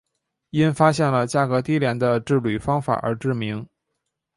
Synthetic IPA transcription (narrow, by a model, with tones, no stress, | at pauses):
i˥nfa˥ɕjɛ˥˩nlə˩t͡ɕja˥˩kɤ˧˥t̪i˥ljɛ˧˥nd̪ə˧ʈ͡ʂɻ̩˥˩ly˨˩fɑ˥ŋfa̰˨˩ʔə̰˞˧˥ʈ͡ʂɻ̩˥˩mi˧˥ŋ